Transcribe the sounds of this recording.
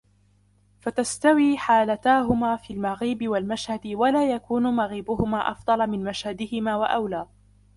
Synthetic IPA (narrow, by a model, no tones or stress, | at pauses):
fat̪ast̪awiːħaːlat̪aːɦʊmaːfiːlmaɣiːbɪwalmaʃhad̪ɪwalaːjakuːnʊmaɣiːbʊhʊmaːʔɑ̰fd̪ˤɑlɑmɪnmaʃhad̪ɪhɪmaːwaʔawlaː